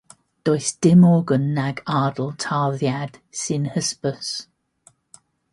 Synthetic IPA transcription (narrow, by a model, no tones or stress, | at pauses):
d̥ɔjsd̥ɪmɔːɡənːaɡaːdəlˠtʰaːðjad̥sɪnhəspəs